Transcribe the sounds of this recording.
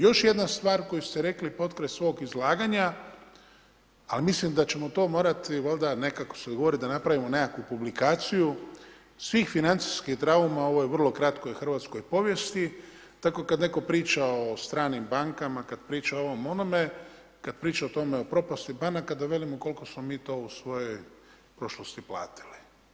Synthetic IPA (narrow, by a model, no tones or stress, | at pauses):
jo̞ʃje̞d̪nast̪ʋaːɾko̞just̪eɾe̞klipo̞t̪kɾet̪sʋo̞ɡizlˠaːɡaɲa | alimislimd̪at͡ɕe̞mo̞t̪o̞ːmo̞ːɾat̪iʋald̪ane̞kako̥sed̪ɡo̞ʋo̞ɾid̪anapɾaʋimo̞ne̞kakupublikaːt̪siju | sʋiːxfinant̪si̥skixd̪ɾaumao̞ʋo̞jeʋr̩lˠo̞kɾat̪ko̞ixr̩ʋat̪sko̞jpo̞ʋje̞st̪i | t̪ako̞kad̪ne̞ko̞pɾiːt͡ʃaost̪ɾaːnimbaŋkamakad̪pɾiːt͡ʃaoo̞ʋo̞mo̞nome̞ | kad̪̚pɾiːt͡ʃaot̪o̞meo̞pɾo̞past̪ibanakad̪aʋe̞limoko̞lˠko̞smomiːt̪o̞ːusʋo̞joj | pɾo̞ʃlˠost̪ipla̰ːt̪i̥li̥